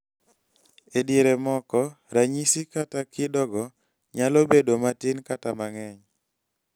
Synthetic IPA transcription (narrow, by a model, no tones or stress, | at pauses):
ediɾemɔkɔ | ɾaɲisikatakɪdɔɡɔ | ɲalobedomatɪnkatamaŋɛɲ